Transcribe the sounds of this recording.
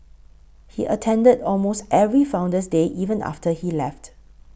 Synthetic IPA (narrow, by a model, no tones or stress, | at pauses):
hiʔətʰɛ̃ndədɔlmostɛvɹifãʊ̃ndəs̬deʔivə̃nʔa̰ftəhilɛft